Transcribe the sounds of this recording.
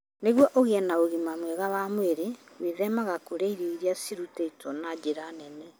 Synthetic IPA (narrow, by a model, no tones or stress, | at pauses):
neɣwɔʔoɣeɛnaoɣimamwɛɣawamweɾeweðɛmaɣakoɾeiɾeiɾiasiɾuteitʰɔnad͡ʒeɾanɛnɛ